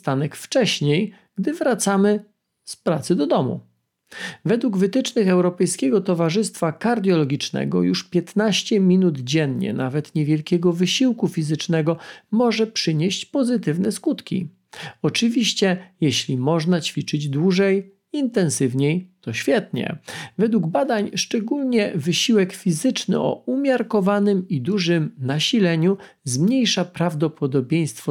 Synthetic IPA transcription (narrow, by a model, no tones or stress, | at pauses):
st̪anɛkft͡ʂɛɕɲej | ɡ̥d̪ɘvɾat̪samɘ | spɾat̪sɘd̪ɔd̪ɔmṵ | vɛd̪wuɡvɘt̪ɘt͡ʂnɘxɛwɾɔpɛjskʲɛɡɔt̪ɔvaʐɘst̪fakaɾd̪ʲjɔlɔɡʲit͡ʂnɛ̰ɡɔ̰juʂpʲjɛt̪naɕt͡ɕɛmʲinud̪d͡ʑɛnɲɛ̰navɛt̪ɲɛvʲjɛlkʲɛɡɔvɘɕiwkufʲizɘt͡ʂnɛɡɔmɔʐɛpʂɘɲeɕt͡ɕpɔzɘt̪ɘvnɛskut̪kʲḭ | ɔt͡ʂɘvʲiɕt͡ɕɛjɛɕlʲimɔʐnat͡ɕfʲit͡ʂɘd͡ʑd̪wuʐɛj | int̪ɛnsɘvɲejt̪ɔɕfʲjɛt̪ɲɛ̰vɛd̪wuɡbad̪aɲʂt͡ʂɛɡulɲɛvɘɕiwɛkfʲizɘt͡ʂnɘ̰ʔɔ̰umʲjaɾkɔvanɘmid̪uʐɘmnaɕilɛɲu | zmɲejʂapɾavd̪ɔpɔd̪ɔbʲjej̃st̪fɔ